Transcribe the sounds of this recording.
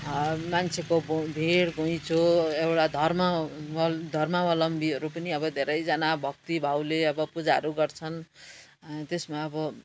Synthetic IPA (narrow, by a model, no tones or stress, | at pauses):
mant͡sʰekobbʱeɽɡʱoj̃t͡soewʈad̪ʱʌrmʌ | d̪ʱʌrmʌwʌlʌmbiʌɾupʌniʌbʌd̪ʱeɾʌjd͡zʌnabʱʌk̚t̪ibʱawleʌbʌpud͡zaɾuɡʌrt͡sʰʌn | t̪esmaʌbʌ